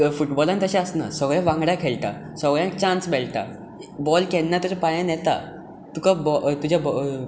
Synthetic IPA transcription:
fuʈbɔlanit̪əɕɛ̃əsna̰səɡɭjãʋãŋɡɽjakʰeɭt̪a̰ | səɡɭjãt͡ɕãnsbɛlt̪a̰ | bɔlkɛnːat̪usapajə̃njɛt̪a̰ | t̪ukabɔt̪ud͡ʑʱab

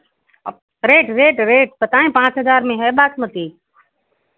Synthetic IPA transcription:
ɾeːʈɾeːʈɾeːʈpət̪aːẽːpãːt͡ʃɦəzaːɾmẽːɦɛːɓaːkmət̪iː

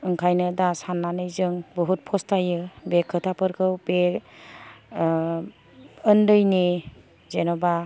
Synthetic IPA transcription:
ɯŋkʰajnɯdasanːanɯjzɯŋbɔɦut̚pʰɔstʰajɯbekʰɯtʰapʰɯɾkʰɯwbe | ɯndɯjni | zenɔba

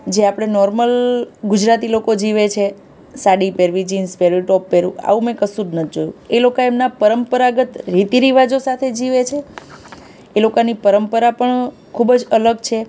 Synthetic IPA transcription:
d͡ʒeapɽ̃enɔɾməlɡud͡ʒɾat̪ilokod͡ʒiʋet͡ʃʰe | saɽipeɾʋid͡ʒinspeɾiʈɔpːeɾũa̰ʋũmẽkəsuɾnət̪ʰid͡ʒojṵ̃elokoemnapəɾəmpəɾaɡət̪ɾit̪iɾiʋad͡ʒosat̪ʰed͡ʒiʋet͡ʃʰe | lokanipəɾəmpəɾapəɳ | kʰubd͡ʒələɡt͡ʃʰe

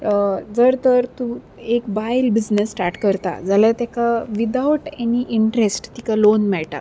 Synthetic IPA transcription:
d͡zəɾt̪əɾt̪ũ | ekbajlbid͡znəsːʈaɾʈkəɾt̪a̰d͡zalat̪akaʋid̪auʈeniʔiɳʈɾesʈt̪ikalonmɛɭʈa̰

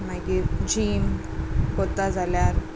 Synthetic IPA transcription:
nakid͡ʑiːm | kot̪ad͡zʱaljaɾ

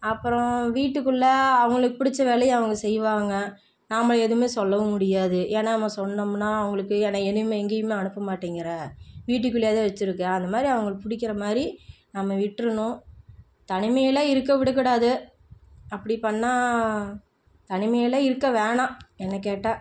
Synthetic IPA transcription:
ɐpːɯɾɔ̃ʋiːʈːɯkːɯɭːɐɐʋɐŋɡɐɭɯkːɯpʊɽɪt͡ʃːɐʋeːlɐjɐ̃ɐʋɐŋɡɐsɛjːʋaːŋɡɐ | namːɐɭɛðɯmeːsɔlːɐʋɯmʊɽɪjaːðɯʔeːnaːnɐmːɐsɔnːɐmnaːɐʋɐŋɡɐɭɯkːɯeːnaːɛnɯmeːɛŋɡɐjɯmeːɐnɯpːɐmaːʈːiːŋɡɐɾɐʋiːʈ̬ːɯkːɯɭjaːðeʋɐt͡ʃːɪɾɯkːɯɐnd̪ɐmaːd̪ɾiɐʋɐŋɡɐɭpʊɽɪkːɪɾɐmaːdɾinɐmːɐʋɪʈːɾɯnʊ̃ | t̪ɐnɪmɐjɪlɐːɪɾɯkːɐʋɪɽɯk̬ːɪɽaːðɯ | ɐpːɐɽipɐnːaː | t̪ɐnɪmɐjɐlɐɪɾɯkːɐʋeːɳãːɛnːɐk̬ːeːʈːãː

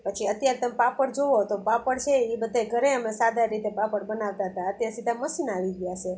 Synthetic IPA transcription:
pət͡ʃʰiət̪jaɾet̪əmepapəɽd͡ʒoʋot̪opapəɽt͡ʃʰeibəd̪ʱːeɡʱəɾeəmesad̪ʱaɾit̪epapəɽbənaʋt̪aɦət̪aət̪jaɾsid̪ʱãməʃinaʋiɡjat͡ʃʰe

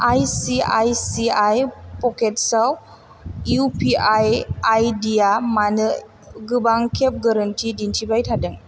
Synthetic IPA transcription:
ʔajsia̰jsiajpɔkɛt̪̚saw | jupiajʔajdiamanə | ɡəbaŋkɛp̚ɡaɾənt̪idint͡ʃibajt̪ʰadəŋ

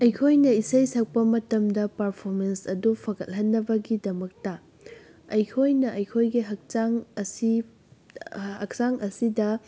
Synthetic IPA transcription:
ɐjkʰojnɐisɐjsɐk̚pɐmɐtɐmdɐpɐɾpʰoɾmensɐdupʰɐɡɐt̚ɦɐnːɐbɐɡidɐmɐk̚tɐ | ɐjkʰojnɐʔɐjkʰojɡiɦɐk̚t͡ʃaŋsi | hɐk̚saŋʔɐsidɐ

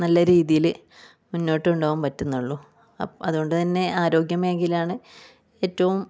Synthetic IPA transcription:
nɐlːɐɾiːðijil | munːo̞ːʈːɨuɳɖoːʋumpɐtːunːuɭːu | ɐ̰ɐðuɣo̞ɳɖɨt̪ɐnːe̞aːɾo̞ːɡjɐme̞ːŋɡilaːɳɨ | e̞ːtːɐʋum

